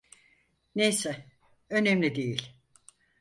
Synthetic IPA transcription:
nejsɛ | ønemlʲid̪ejilʲ

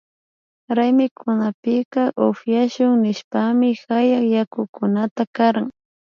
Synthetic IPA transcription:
ɾajmɪkʰʊnapɪqɑʔofjaʃʊŋnɪʃpamɪxajaχjakʊkʊnat̪akaɾaŋ

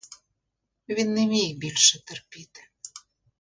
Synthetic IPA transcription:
βinːemek̚belʃɘ̆t̪ə̆rpit̪

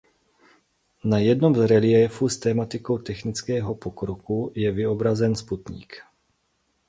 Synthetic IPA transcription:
najɛdno̞mzɾɛlɪɛfust̪ɛːmat̪ɪko̞wt̪ɛxnɪt͡skɛːɦo̞pokɾokujɛvɪobɾazɛnsput̪ɲḭːk

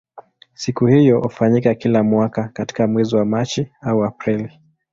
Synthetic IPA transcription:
sikuhijɔhufaɲikakilamwakakati̥kamwɛziwamat͡ʃiauapɾili

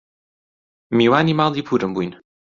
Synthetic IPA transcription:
miwanimalˠipʰuɾəmbujn

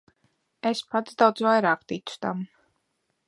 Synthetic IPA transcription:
ɛspʰad̪d̪azwaɛɾaq̚d̪it̪sʰd̪am

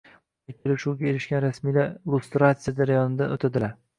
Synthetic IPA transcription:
ʊakʲʰelɪʃuɡʲae̞ɾɪʃɡʲanɾasmijlaɾlˠust̪ɾat̪sɨjad͡ʒaɾajɒnɪd̪anot̪ʰad̪ɪlaɾ

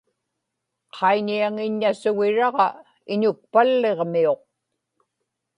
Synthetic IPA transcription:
qʰɑiɲiaŋɪɲːasʊɣɪɻɑʁɑ | ɪɲʊk̚palːe̞ʁmio̞q̚

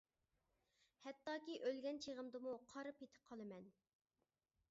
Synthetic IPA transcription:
hɛt̪ːɑːkʲiʔølɡʲɛnt͡ʃʰeʁəmd̪ɨmuqʰɑɾɨpet̪ʰɪ̥p̚qʰɑlˠɨmɛn

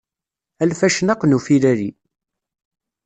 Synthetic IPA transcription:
ælfæʃnɑqnufiɾæɾi

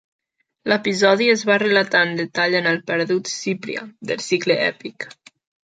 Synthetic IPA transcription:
lepizɔðiəzβarəlat̪and̪et̪aʎənəlˠpɛɾðut̪sipɾḭa̰d̪ə̰lˠsikleʔɛ̰pik

